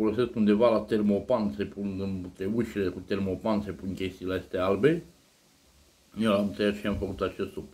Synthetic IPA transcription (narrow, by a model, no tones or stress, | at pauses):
olose̞skund̪e̞valat̪ermopansepunɨnut̪euʃilekut̪ermopanse̞punʲkʲest̪iːlaest̪ealbe | nelamɨt̪ejat͡ʃeamfəkut̪at͡ʃest̪up